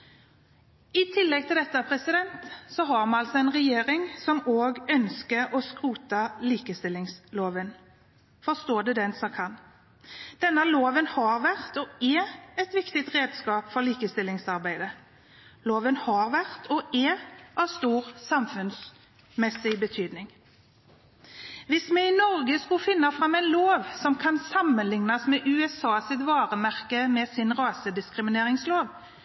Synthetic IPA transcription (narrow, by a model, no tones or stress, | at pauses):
ɪt̪ʰɪlːɛɡ̚t̪ʰɪld̪ɛt̪ːəpʰʁɛsɪd̪ɛnt̪sɔɦɑːʁmɑɑlsɔɛnʁɛjeːʁɪŋsɔmoːɡœnskəʁɔskʁuːt̪ɑliːkəst̪ɪlːɪŋsloːʋən | fɔst̪oːd̪ɛd̪ɛnsɑkʰɑn | d̪̥ɛnːəloːʋənhɑːʁʋæʁt̪ɔɛɛt̪ʋɪkt̪ɪt̪ʁeːd̪skɑːpfɔʁliːkəst̪ɪlːɪŋsɑʁbæɪd̪ə | loːʋənhɑʁʋæʁt̪ʰɔʔɛʔɑʋst̪uːʁsɑmfʉns | mɛsɪbət̪ʰyːd̪nɪŋ | ʋɪsmɛɪnɔʁɡəskʉfɪnːɑfʁɑmɛɪnloːʋsɔmkʰɑnsɑmːənlɪŋnɑsmɛːʔʉːɛsɑːsɪt̪ʋɑːʁəmæʁkəmɛsɪnʁɑːsəd̪ɪskʁɪmɪneːʁɪŋsloːʋ